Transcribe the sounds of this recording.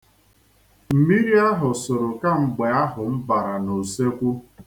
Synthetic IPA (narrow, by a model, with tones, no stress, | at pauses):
m̩˨mi˦ɾi˦a˦ɦʊ˨sʊ˨ɾʊ˨ka˦ŋ͡m̩˨ɡ͡be˨a˦ɦʊ˨m̩˦ba˨ɾa˨no˨se˦kʷu˦